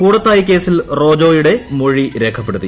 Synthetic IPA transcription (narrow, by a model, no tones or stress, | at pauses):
kuːɽɐt̪ːaːjikːe̞ːsilro̞ːd͡ʑo̞ːjuɽe̞moɻiɾe̞ːkʰɐpːe̞ɽut̪ːi